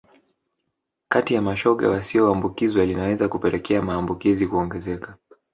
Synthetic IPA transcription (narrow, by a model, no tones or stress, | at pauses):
katijamaʃɔɠa̰siɔambukizwalinawɛzakupɛlɛkʰɛamaːmbukizikuɔŋɡɛzɛka